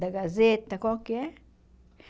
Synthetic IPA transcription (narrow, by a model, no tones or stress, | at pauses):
d̪aɡazet̪akokje